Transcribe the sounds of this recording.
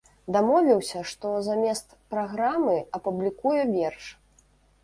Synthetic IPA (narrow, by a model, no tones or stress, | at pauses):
d̪amɔvʲlʲiwsʲɐʂt̪ɔzamʲɛst̪pɾaɣɾamɨɐpublʲikujɛvʲɛrʂ